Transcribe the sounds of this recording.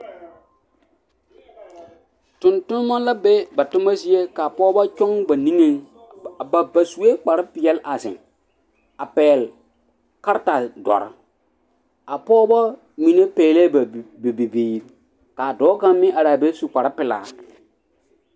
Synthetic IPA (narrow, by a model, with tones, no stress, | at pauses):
tʊ̃˨ntʊ˦n˦ma˦la˦be˦ba˨tʊ˦ma˦zi˦e˦ka˨pɔː˦ba˦t͡ʃɔ˦ŋba˨nĩ˦ŋe˦ŋ˨ | ba˨ba˨su˨e˦k͡pa˨ɾɪ˦pɪ˨jɛ˦lʔa˨zɪ̰˨ŋ | a˨pɛː˨l | ka˦ɾta˨dɔ̰˨ɾɪ˦ | a˨pɔː˦ba˦ | mi˨ne˦peː˨le˦bbe˨be˨biː˨ɾi˦ | ka˨dɔː˦ka˦mɪ̃˦ʔa˨ɾaː˨be˦su˨k͡pa˨ɾɪ˦pɪ˨la̰ː˨